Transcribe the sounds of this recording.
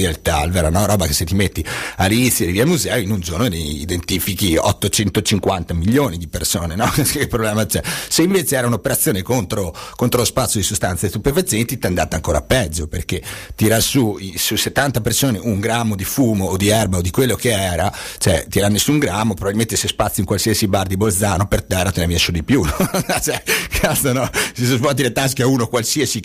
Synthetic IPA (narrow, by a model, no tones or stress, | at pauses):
alt̪alveːɾanɔɾɔːbakeset̪ːimet̪ːialːinit̪sjod̪iviːalmuzɛːoinund͡ʒornod̪eḭd̪ent̪iːfikiɔ̰t̪ːot͡ʃɛnt̪ot͡ʃiŋkwant̪amiʎːoːnid̪ipersoːnenɔkepːɾoblɛːmat͡ʃɛseiɱveːt͡ʃeɛːɾaunopeɾat̪sjoːnekont̪ɾokont̪ɾolospat̪sːjod̪isost̪ant̪sest̪upefat̪sjɛent̪it̪iand̪at̪eaŋkoːɾa̰pːɛd͡ʒːoperk̟et̪iɾasuisuset̪ːant̪apersoːneuŋɡɾamːod̪ifuːmoːd̪iɛrbaod̪ikwelːokeɛːɾat͡ʃoɛt̪iɾanːesuŋɡɾamːopɾobabilment̪esespat̪sjiŋkwalsiasibard̪ibold̪zaːnopert̪ɛrːat̪enaviɛsud̪ipjunɔt͡ʃɛkʰat̪sonɔsisuzvɔlt̪̬ilet̪ːaskeauːnokwalsiːasi